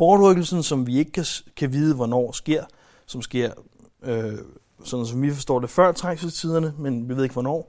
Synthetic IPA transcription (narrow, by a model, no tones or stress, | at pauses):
b̥ɒːd̥ʁœɡ̥l̩sn̩sɒ̽mʋie̝ɡ̥əkʰækʰæʋiːð̞ˠəʋɒnɒ̰ːsɡ̥e̝ɐ̰ | sɒ̽msɡ̥e̝ɐ̰ | ø | sɒ̽nð̩ˠs̬ɒ̽mʋifɒsd̥ɔ̰ːd̥e̝fɶɐ̰t͡sʰʁaŋsət͡sʰið̞ˠɐnəmenʋiʋeðˠeɡ̥ʋɒnɒ̰ː